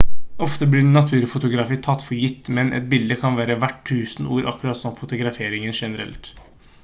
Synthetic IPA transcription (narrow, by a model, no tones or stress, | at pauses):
ʔɔft̪əblɪɾnɑt̪ʰʉːɾfʊt̪ʊɡɾɑfiːt̪ʰɑt̪ːfɔɾjɪt̪ːmɛnʔɛ̰t̪̚bɪld̪əkʰɑnʋæːɾəʋæʈʰːʉːsənuːɾʔɑ̰kːʉɾɑt̪sɔmfʊt̪ʊɡɾɑfeːɾɪŋənʂɛnəɾɛ̰lt̪